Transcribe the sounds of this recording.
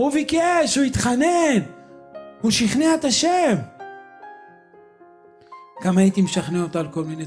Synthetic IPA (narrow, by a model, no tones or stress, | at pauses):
uvikeʃuit̪χanen | huʃiχneet̪aʃem | ɡ̥amajit̪imʃaχneot̪alko̞lmine